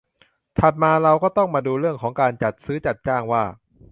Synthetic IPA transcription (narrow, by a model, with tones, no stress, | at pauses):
t̪ʰa˨˩t̪̚maː˧ɾa˧wkɔː˥˩t̪ɔ˥˩ŋmaː˧duː˧ɾɯ˥˩əŋkʰɔː˩˦ŋkaː˧nt͡ɕa˨˩t̪̚sɯː˦˥t͡ɕa˨˩t̪̚t͡ɕaː˥˩ŋwaː˥˩